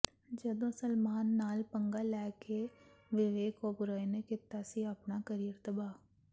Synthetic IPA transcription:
d͡ʒəd̪õːsəlmaːnːaːlpəŋɡaːlɛːkʰeʋɪʋeːkoːbʊɾaːinekɪt̪ːasiəpnaːkəɾijəɾt̪əbaː

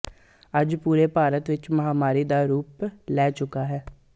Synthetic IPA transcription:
əd͡ʒpuːɾeːpaːɾət̪ʋɪt͡ʃməɦaːmaːɾiːd̪aːɾuːplɛːt͡ʃʊkaːɦɛː

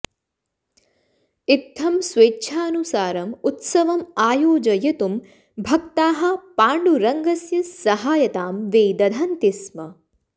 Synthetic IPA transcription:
it̪ʰːɐmsʋeːtːʃʰaːɐnusaːɾɐmut̪sɐʋɐmaːjoːd͡ʒɐjɐt̪um | bʱɐk̚t̪aːɦɐ̆paːɳɖuɾɐŋɡɐsjɐsɐɦaːjɐt̪aːmʋeːd̪ɐd̪ʱɐnt̪ismɐ

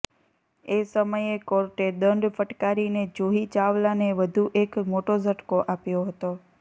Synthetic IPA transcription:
esəməjekoɾʈeɗ̪əɳɖfəʈkaɾined͡ʒoɦit͡ʃaʋlaneʋəd̪ʱuʔekmoʈozʱəʈkoʔapjoɦət̪o

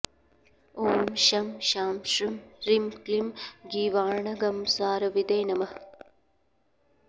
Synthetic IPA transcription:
oːmʃɐmʃaːmʃɾimɾimklimɡiːʋaːɳɐɡɐmsaːɾɐʋid̪eːnɐmɐh

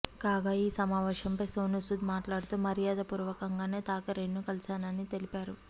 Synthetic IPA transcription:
kaːɡaːiːsɐmaːʋɛːʃɐmpɐjsoːnusud̪maːʈlaːɽut̪uːmɐɾijaːd̪ɐpuːɾʋɐkɐŋɡaːne̞ːt̪aːkɐɾenːukɐlsaːnɐnit̪elipaːɾu

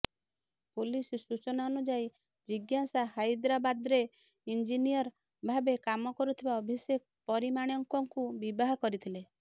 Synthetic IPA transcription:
pulissut͡ʃɔnaɔnud͡ʒai | d͡ʒiɡjasahajd̪ɾabad̪ɾe | ind͡ʒinijɔɾ | bʱabekamɔkɔɾut̪ʰibaɔbʱisek̚pɔɾimaɽ̃jɔŋkɔŋkubibaɦɔkɔɾit̪ʰile

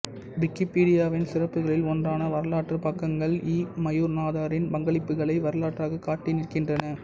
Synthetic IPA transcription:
ʋɪkːɪpiːɽɪjaːʋɪnsɪrɐpːɯɣɐɭɪlɔndraːnɐʋɐɾɐlaːʈrɯpɐkːɐŋɡɐɭiːmɐjuːɾnaːðaːɾɪnpɐŋɡɐɭɪpːɯɣɐɭɐɪʋɐɾɐlaːʈraːɣɐkaːʈːɪnɪɾkɪndrɐnɐ

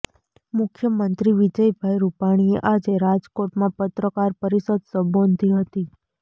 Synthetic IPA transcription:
mʊkʰjəmənt̪ɾiʋid͡ʒəjbʱajɾupaɽ̃ieʔad͡ʒeɾad͡ʒkoʈmãpət̪ɾəkaɾpəɾisəd̪səbond̪iɦət̪i

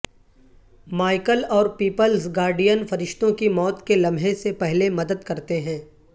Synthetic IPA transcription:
maːɪkəlɔːɾpiːpəlsɡaːɾɖijənfɐɾɪʃt̪õkimɔːt̪kelɐ̃mʱɦesepɛɦlemɐd̪əd̪kɐɾt̪eɦɛ̃ː

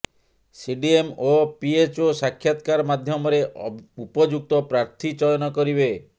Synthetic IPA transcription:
siɖiemopiet͡ʃosakʰːjat̪kaɾmad̪ʱjɔmɔɾeupɔd͡ʒuk̚t̪ɔpɾaɾt̪ʰit͡ʃɔjɔnɔkɔɾibe

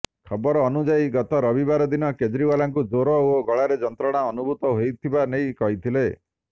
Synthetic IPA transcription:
kʰɔbɔɾɔːnud͡ʒaiɡɔt̪ɔɾɔbibaɾɔd̪inɔked͡ʒɾiwalaŋkud͡ʒoɾɔoɡɔɭaɾed͡ʒɔnt̪ɾɔɽ̃aɔnubʱut̪ɔɦojt̪ʰibanejkɔɦit̪ʰile

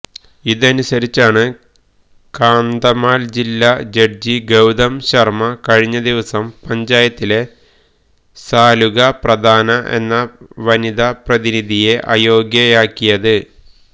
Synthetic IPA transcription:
iðɐnusɐɾit͡ɕːaːɳɨ | kaːnd̪ɐmaːld͡ʑilːad͡ʑɐrd͡ʑiɡɐwd̪ɐmɕɐrmɐkɐɻiɲːɐd̪iʋɐsɐmpɐɲd͡ʑaːjɐt̪ːile̞ | saːluɣɐprɐd̪ʱaːnɐʔe̞̰nːɐʋɐniðaprɐðiniðʱije̞ʔɐ̰jo̞ːɡjɐjaːkːijɐðɨ

